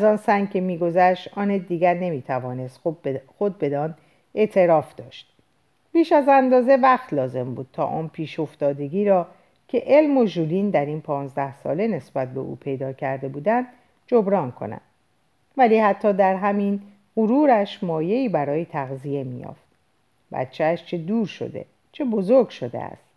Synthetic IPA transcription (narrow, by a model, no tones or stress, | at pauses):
æzɒːnsæŋɡ̚cʰe̞miːɡo̞zæʃt̪ɒːned̪iːɟæɾne̞miːt̪ʰævɒːne̞st̪xod̪̚be̞d̪ɒːn | e̞ʔt̪ʰe̞ɾɒːfd̪̥ɒ̰ːʃt̪̚ | piːʃæzænd̪ɒːze̞væχt̪lɒːze̞mbṵːd̪̥̚t̪ʰɒ̰ːʔɒːnpʰiːʃo̞ft̪ɒːd̪e̞ɡiːɾɒː | cʰe̞ʔe̞lmo̞ʒuliːnd̪æɾiːnpʰɒːnzd̪æhsɒ̰ːle̞ne̞sbæt̪̚be̞̰ʔṵːpʰe̞jd̪ɒːcʰæɾd̪e̞buːd̪ænd̪ | d͡ʒo̞bɾɒːnkʰo̞̰næ̰nd̪̥ | væliːhæt̪ʰːɒːd̪æɾɦæmin | ɢuɾuːɾæʃmɒːje̞iːbæɾɒːjet̪ʰæɣzie̞mḭjɒ̰ːft̪̚ | bæ̰t̪t͡ʃʰeæʃt͡ʃʰe̞d̪uːɾʃo̞̰d̪e̞̰ | t͡ʃʰe̞bo̞zoɾɡʃo̞d̪ḛæ̰st̪